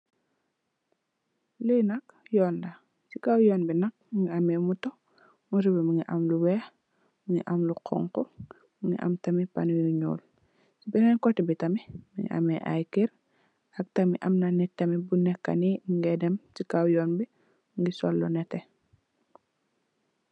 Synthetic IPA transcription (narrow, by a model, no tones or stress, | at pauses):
linɐk | jɔːndɐ | sikawjɔːnbinɐk̚muŋɡiamɛmutɔ | muɾibimiŋiʔa̰mluwɛːx | muŋiʔamluqʰɔ̰ŋkɔ | muŋḭʔa̰mtamipa̰nujuɲṵːl | sibinankɔtibitɐmimiŋɡḭʔa̰mɛʔa̰jkiɾ | hak̚tamiʔamnanɛtːɐmibunɛkːa̰niŋɡɛdɛmsikawjɔːnbi | ŋɡisɔ̰lːɔ̰nɛtɛ